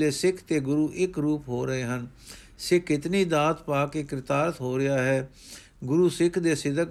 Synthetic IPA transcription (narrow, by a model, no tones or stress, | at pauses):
eːsɪkʰt̪eːɡʊɾuːʔɪkɾuːpɦoːɾəeːɦən | sekɪt̪niːd̪aːt̪paːkeːkɪɾɪt̪aːɾət̪ɦoːɾɪjaːɦɛː | ɡʊɾuːsɪkʰd̪eːsɪd̪ək